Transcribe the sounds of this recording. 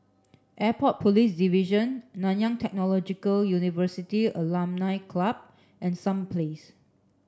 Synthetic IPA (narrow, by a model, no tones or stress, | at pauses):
ʔɛpɔt̚pʰolisdiviʒə̃nːãnjãŋtʰɛk̚nɔlɔd͡ʒikəljunivəsitiəlãmnaɪkʰlab̚ | ʔɛ̃nsãmpʰles